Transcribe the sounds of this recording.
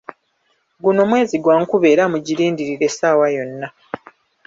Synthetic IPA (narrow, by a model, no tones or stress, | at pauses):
ɡuno̞ːmwe̞ːziɡwaŋkuβe̞ːɾamuɟiɾiːndiɾiɾe̞saːwajo̞nːa